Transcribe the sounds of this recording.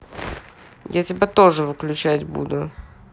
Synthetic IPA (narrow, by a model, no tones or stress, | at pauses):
jatʲɪbʲat̪oʐɨvɨklʲʉt͡ɕætʲbṵd̪ʊ